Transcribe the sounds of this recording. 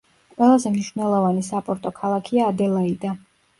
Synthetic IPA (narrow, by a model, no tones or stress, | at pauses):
qʼwɛlˠazɛmniʃvnɛlˠɔvanisapʼɔɾt̪ʼɔkʰalˠakʰiaːd̪ɛlˠaid̪a